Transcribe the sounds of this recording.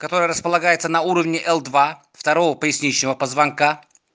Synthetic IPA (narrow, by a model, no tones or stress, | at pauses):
kɐt̪o̞ɾəjəɾəspəlˠɐɡajɪt̪sənɐuɾəvnʲɪʔɛlˠd̪va | ft̪ɐɾovəpəɪsʲnʲit͡ɕnəvəpəzvɐnka